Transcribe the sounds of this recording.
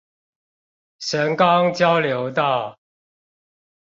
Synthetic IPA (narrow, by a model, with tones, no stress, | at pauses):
ʂə˨˥nkɑ˦ŋt͡ɕjɑ˦ʊljo˨˧˥ʊt̪ɑ˥˨ʊ